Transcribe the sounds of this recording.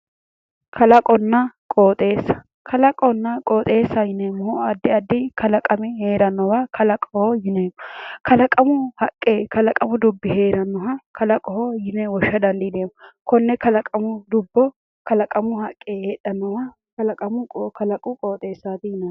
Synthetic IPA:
kʰɐlɐkʼɔnːɐkʼoːt̪ʼe̞ːsːɐ̥ | kʰɐlɐkʼɔnːɐkʼoːt̪ʼeːsːɐjɪnejmːʊhɔɐd̪ːɪɐd̪ːɪkɐlɐkʼɐmɪhe̞ːɾɐnːɔwakʰɐlɐkʼɔhɔjɪnejmːɔkɐlɐkʼɐmʊhɐkʼːeːkɐlɐkʼɐmʊd̪ʊbːɪheːɾɐnːɔɦɐkʰɐlɐkʼɔhɔjɪnɛwɔʃːɐd̪ɐnd̪ɪd̪eːmːʊkɔnːɛkɐlɐkʼɐmʊd̪ʊbːɔ | kɐlɐkʼɐmʊhɐkʼːeːheᶑɐnːɔwɐ | kɐlɐkʼɐmʊkɐlɐkʼʊkʼoːt̪ʼe̞ːsːaːt̪ɪjɪnɐ

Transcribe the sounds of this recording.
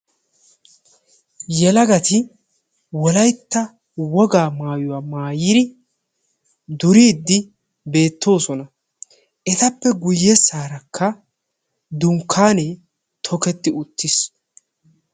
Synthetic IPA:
jɛlɐɡɐt̪ɪ | wɔlɐjt̪ːɐ | wɔɡaːmaːjʊwaːmaːjɪd̪ɪ | d̪ʊɾiːd̪ːɪ | be̞ːt̪ːo̞ːsɔnɐ | ɛt̪ɐpːɛɡʊjːɛsaːɾɐkʰːɐ | d̪ʊŋkʰːaːne | t̪ʰɔkɛt̪ːɪʊt̪ːɪs

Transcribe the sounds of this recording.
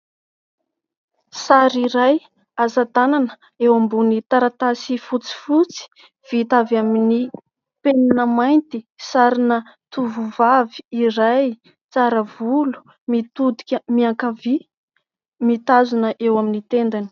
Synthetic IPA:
saɾiɾaj | azat̪ananə̥ | ewambunit̪aɾat̪asifut͡si̥fut͡si̥ | v̥it̪avamini | penanəmajnt̪isaɾinə | t̪uvuvaviiɾaj | t͡saɾəvulu̥ | mit̪ud̪i̥kʲəmiaŋkavi | mit̪azunəʔewaminit̪end̪ani̥

